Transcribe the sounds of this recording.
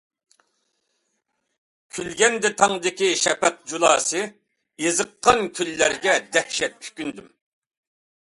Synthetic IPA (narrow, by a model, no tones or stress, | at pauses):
kʲʰylɡʲɛnd̪ɛt̪ʰɑŋd̪ɪkʲiʃɛpɛq̚d͡ʒulˠɑ̰ːsɨ | ezəqːɑnkʲʰylːæɾɡʲɛd̪ɛhʃɛt̪̚ʰy̥kʲynd̪ym